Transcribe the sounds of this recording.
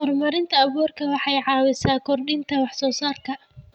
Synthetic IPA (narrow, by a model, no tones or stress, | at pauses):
hɔrmɐɾɪnt̪ʰɐɐβɔːrkʰɐwɑħɑjʕɑːwɪsaːkʰɔrɗɪnt̪ʰɐwɑħsɔːsaːrkʰɐ